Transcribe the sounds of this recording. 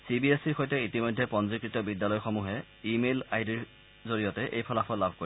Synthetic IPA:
sibiesiɹxojtɛitimɔjdʱːɛpɔnzikɹitɔbidːalɔjxɔmuɦɛ | imelaidiɹ | zoɹijɔtɛʔejpʰɔlapʰɔtlabʱko

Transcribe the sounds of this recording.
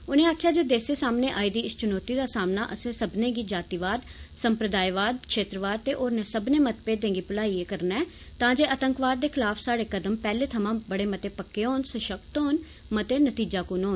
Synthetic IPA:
ʊnẽːaːkʰjaːd͡ʒeːd̪eːseːsaːmneːʔaːid̪iːɪst͡ʃʊnoːt̪iːd̪aːsaːmnaːʔəsẽːsəbnẽːɡiːd͡ʒaːt̪iːʋaːd̪səmpɾəd̪aːjʋaːd̪̚kʃeːt̪ɾəʋaːd̪̚t̪eːʔoːɾnẽːsəbneːmət̪peːd̪ẽːŋɡiːpʊlaːieːkəɾnɛː | t̪ãːd͡ʒeːʔət̪əŋkʋaːd̪̚ːeːkʰɪlaːfʰsaːɽeːkəd̪əmpɛːleːt̪ʰəmãːbəɽeːmət̪eːpəkːeːɦoːnsəʃəkt̪oːn | mət̪eːnət̪iːd͡ʒaːkunɦoːn

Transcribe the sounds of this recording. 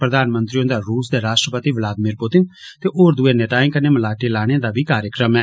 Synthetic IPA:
pɾəd̪aːnmənt̪ɾiõːd̪aːɾuːsd̪eːɾaːʃʈɾəpət̪iːʋɪlaːd̪miːɾpʊt̪ɪnt̪eːʔoːɾd̪ueːneːʈ̪aːɪ̃kəneːməlaːʈiːlaːɽ̃eãːd̪aːbiːkaːɾjəkɾəmɛː

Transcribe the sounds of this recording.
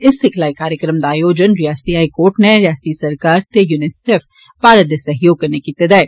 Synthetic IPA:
ɪsɪkʰlaːekaːɾjəkɾəmd̪aːjoːd͡ʒənɾijaːsə̥t̪iɦaːikoːɾʈneɾɪjaːst̪isɐɾkaːɾt̪ejunɪseːf | paːɾəd̪jəsɐɦjoːɡ̚kɐɾnekiɪt̪ːɪd̪aːeː

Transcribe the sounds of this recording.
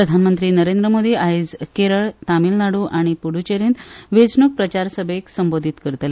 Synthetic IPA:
pɾəd̪ʱanmənt̪ɾiːnəɾend̪ɾəmod̪iːaid͡zkeɾəɭt̪amilnaɽuʔaɽ̃ipuɽ̤ut͡ɕeɾint̪ʋed͡zɳuk̚pɾət͡ɕaɾsəbʱeksəmbod̪ʱit̪kəɾt̪le

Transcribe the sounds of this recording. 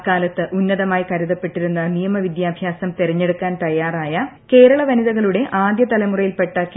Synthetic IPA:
kaːlɐt̪ːɨʔunːɐðɐmaːjkɐɾuðɐpːe̞ʈːiɾunːɐnijɐmɐʋid̪jaːbʱjaːsɐmt̪eɾɐɲːe̞ɽukːaːnt̪ɐjːaːraːjɐ | ke̞ːɾɐɭɐʋɐniðɐɣɐɭuɽe̞ʔaːd̪jɐt̪ɐlɐmurɐjilpe̞ʈːɐk

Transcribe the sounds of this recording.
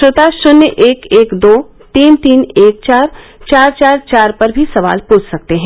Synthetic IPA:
ʃoːt̪aʃʊnjəʔeːkeːkd̪oː | t̪iːnt̪iːneːk̚t͡ʃaːɾt͡ʃaːɾt͡ʃaːɾt͡ʃaːɾpɐɾbʱisɐʋa̰ːlpuːt͡ʃʰsɐk̚t̪eɦɛ̃ː

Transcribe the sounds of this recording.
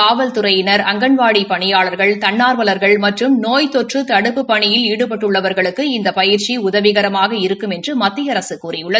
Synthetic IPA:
aːʋɐlt̪ʊɾɐjɪnɐɾɐŋɡɐɳʋaːɽipɐɳɪjaːɭɐɾɣɐɭt̪ɐɳːaːɾʋɐlɐɾɣɐɭmɐʈrɯmnoːjt̪ɔʈrɯt̪ɐɽɯpːɯpɐɳɪjɪliːɽɯpɐʈːɯɭːɐʋɐɾɣɐɭɯkːɯɪnd̪ɐpɐjɪɾt͡ʃiʊðɐʋɪɣɐɾɐmaːɣɐɪɾɯkːɯmɛndrɯmɐt̪ːɪjɐɾɐsɯkkːuːrɪjɯɭːɐðɯ

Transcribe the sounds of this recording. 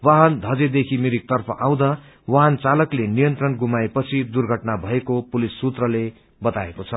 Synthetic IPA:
waɦʌnd̪ʱʌd͡zed̪ekʰimiɾik̚t̪ʌrpʰʌ̰ʔaw̃d̪a | waɦant͡salʌklenijʌnt̪rʌnɡumaepʌt͡sʰid̪urɡʱʌʈnabʱʌekopulisːut̪rʌle | bʌt̪aekot͡sʰʌ

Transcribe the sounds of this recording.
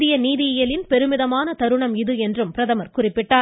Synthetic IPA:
ðɪjɐniːðɪɪjɐlɪnpɛɾɯmɪðɐmaːnɐt̪ɐɾɯɳɐmɪðɯɛndrɯmpɪɾɐðɐmɐɾkʊrɪpːɪʈːaː

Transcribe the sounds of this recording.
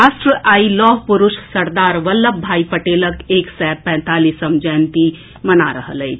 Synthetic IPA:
aːsʈɾəʔaːilɔːɦpuɾʊʃsɐɾd̪aːɾʋəlːəb̚bʱaːipəʈeːləkeːksɛːpɛ̃ːnt̪aːlisəmd͡ʒɛːnt̪i | mənaɾəɦələit͡ʃʰ

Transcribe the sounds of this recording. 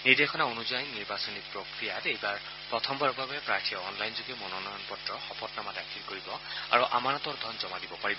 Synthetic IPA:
niɹd̪exʰɔnaonuzajniɹbasɔnik̚pɹokɹijatejbaɹ | pɹɔt̪ʰɔmbaɹɔbʱabɛpɹaɹtʰijɔɔnlajnzoɡɛmɔnɔnɔjɔnpɔtɹɔxɔpɔtnamadakʰilkoɹibɔa̰ɹuʔa̰manɔt̪ɔɹd̪ʱɔnzɔmadibɔpaɹibɔ

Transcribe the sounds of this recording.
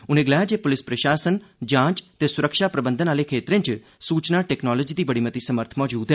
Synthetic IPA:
ʊnẽːɡəlaːjaːd͡ʒeːpʊlɪspɾəʃaːsənd͡ʒãːt͡ʃt̪eːsʊɾəkʃaːpɾəbənd̪ənaːleːkʰeːt̪ɾẽnt͡ʃ | suːt͡ʃnaːʈɛːknɔːlɔd͡ʒiːd̪iːbəɽiːmət̪iːsəməɾt̪ʰmɔːd͡ʒuːd̪ɦɛː

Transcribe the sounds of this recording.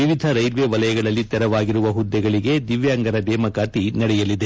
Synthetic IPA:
iʋid̪ʱɐɾɐjɾʋeʋɐlɐjɐɡɐɭɐlːit̪ɛɾɐʋaːɡiɾuʋɐɦud̪ːɛɡɐɭiɡe̞d̪iʋjaːŋɡɐɾɐd̪ɛːmɐkaːt̪inɐɽɛjɐlːid̪e

